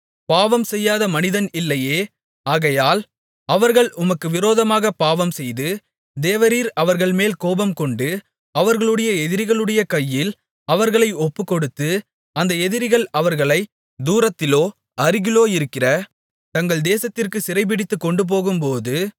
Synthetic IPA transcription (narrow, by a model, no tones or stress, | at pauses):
paːʋɐmsɛjːaːðɐmɐnɪðɐnɪlːɐjeː | aːɣɐjaːl | ɐʋɐɾɣɐɭʔʊmɐkːɯʋɪɾoːðɐmaːɣɐpaːʋɐmsɛjðɯ | d̪eːʋɐɾiːɾɐʋɐɾɣɐɭmeːlkoːbɐmkɔɳɖɯ | ɐʋɐɾɣɐɭɯɽɐjɐɛðɪɾɪɣɐɭɯɽɐjɐkɐjːɪl | ɐʋɐɾɣɐɭɐɪɔpːɯkːɔɽɯt̪ːɯ | ɐnd̪ɐɛðɪɾɪɣɐɭɐʋɐɾɣɐɭɐɪ | d̪uːɾɐt̪ːɪloː | ɐɾɪɣɪloːɪɾɯkːɪrɐ | t̪ɐŋɡɐɭd̪eːsɐt̪ːɪrkɯsɪɾɐɪp̬ɪɽɪt̪ːɯkːɔɳɖɯp̬oːɣɯmpoːðɯ